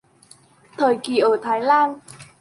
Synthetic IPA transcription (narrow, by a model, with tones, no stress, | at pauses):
t̪ʰəː˨˩jki˨˩ʔəː˧˩t̪ʰaː˨˦jlaː˧n